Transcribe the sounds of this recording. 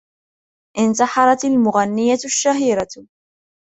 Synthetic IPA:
ʔɪnt̪ɑħɑɾˤɑt̪almʊɣanːɪjaʃːaɦiːɾa

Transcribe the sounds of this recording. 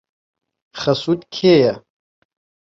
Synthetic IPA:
χɐsutʼkʲʰeja

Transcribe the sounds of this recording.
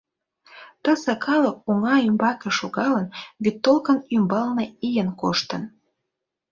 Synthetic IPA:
t̪əsə̆kʰɑlək̚oŋɑymbɑkĕʃoɣɑlənβyt̪ːolkənymbɑlneijənkoʃt̪ə̆n

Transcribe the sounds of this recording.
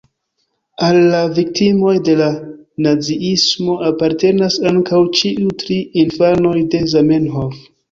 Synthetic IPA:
alːavik̚timo̞jde̞lanaziismo̞apaɾte̞nasaŋkʰawt͡ʃiutɾiinfano̞jde̞zamenɦof

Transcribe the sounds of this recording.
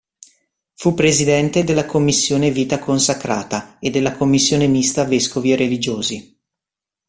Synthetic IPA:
fupːɾezid̪ɛnt̪ed̪elːakomːisːjoːneviːt̪akonsakɾa̰ːt̪aed̪ːelːakomːisːjoːnemist̪aveskovierelid͡ʒoːzi

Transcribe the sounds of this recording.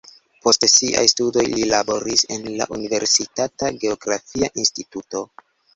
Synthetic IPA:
po̞stsiʔa̰jstudo̞jlilabo̞ɾise̞nla̰ʔunive̞ɾsitataɡe̞oɡɾafiaʔinstituto̞

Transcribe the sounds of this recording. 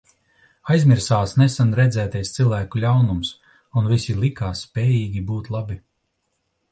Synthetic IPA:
ajzmʲiɾsaːsnɛsanɾɛd̪zɛːt̪ajst̪silˠvæːkulʲawnums | unvisilˠikaːsːpʲɛːjiːɡʲibuːt̪lˠabi

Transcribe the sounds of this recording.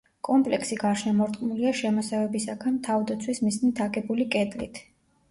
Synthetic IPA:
kʼɔmpʼlɛkʰsiɡaɾʃnamɔɾt̪ʼqʼmuliaʃɛmɔsɛvɛbisakʰant̪ʰavd̪at̪sʰwismiznit̪ʰaɡɛbulikʼɛd̪lḭt̪ʰ

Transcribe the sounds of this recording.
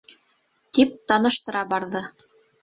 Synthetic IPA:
t̪ip̚t̪ɑnɤ̆ʃt̪ɤ̆ɾɑbɑɾðɤ

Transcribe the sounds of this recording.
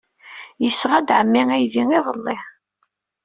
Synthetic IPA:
jəsːʁad̪ʕəmːiŋæjviŋiðˤəlˤːiħ

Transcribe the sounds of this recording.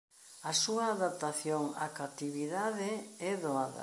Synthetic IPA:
ɐsuɐːðap̚t̪aθjoŋa̰kat̪iβiðaðɪɛðoaðɐ̰

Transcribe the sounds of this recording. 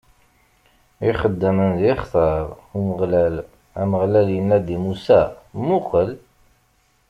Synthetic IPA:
iχəd̪ːæmənðiχθəɾˤ | uməʁlæl | æməʁlæljənːæd̪imusæmʊqəl

